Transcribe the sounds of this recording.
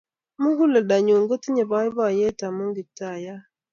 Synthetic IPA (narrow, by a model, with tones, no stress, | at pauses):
mu˦hu˦lə˨da˨ɲo˨ŋɡo˦ti˦ɲe˨bɔ˨˦i˦bɔ˦˨je˦ta˨mo˦ŋɡi˨ta˨ja˦